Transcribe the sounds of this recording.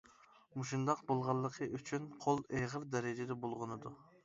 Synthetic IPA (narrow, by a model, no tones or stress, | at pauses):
muʃind̪ɑqbolˠʁɑlˠːəqʰəʔyt͡ʃʰynqʰolˠeʁəɾd̪ɛɾɪd͡ʒɪd̪ɛbolˠʁənɨd̪u